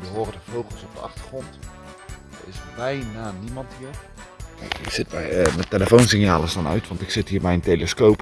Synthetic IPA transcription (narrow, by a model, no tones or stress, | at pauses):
ʋəɦoːrədəvowχəlˠsɔp̚dəʔɑ̰χtəχrɔnt | əɪsbɛjnaːnimɑntɦiːɹ̰ | iz̥ɪt̚bɛmɛteləfownsɪnjaːləsdɑnœ̰ɥtʋɑntɪksɪtɦiːɹbɛjnteləskowp